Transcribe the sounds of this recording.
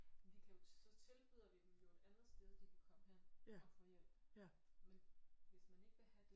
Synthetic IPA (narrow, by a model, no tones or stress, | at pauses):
mnd̥ikʰæjossɒ̽t͡sʰe̝lb̥yːð̰ˠɐʋikejoːɐ̥ænd̥ʁɐsd̥eːð̞ˠd̥ikʰækʰɒ̽m̰əɦeɐ̰ɒ̽fɒ̽jel̰b̥ | menʋe̝smæne̝ɡ̥ʋæɦæd̥e̝